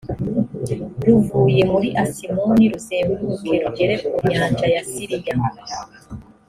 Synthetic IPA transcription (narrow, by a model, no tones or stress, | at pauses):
ɾuvuːje̞muɾiʔasimoniɾuseːbuɾwuɾukʰeɾuɟe̞ɾeumɲaːnd͡ʒajasiɾija